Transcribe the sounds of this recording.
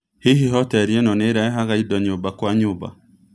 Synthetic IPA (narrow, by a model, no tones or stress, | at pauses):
hiɦiɦɔtɛɾiɛnɔneɾaeɦaɣaidɔɲobakwaɲoːba̰